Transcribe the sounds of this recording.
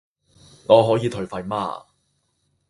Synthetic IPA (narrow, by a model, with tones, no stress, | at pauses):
ŋɔː˨˧ɦɔː˨˥jiː˨˧t̪ʰɵ˨˩ɥfɐ˨jma̰ː˧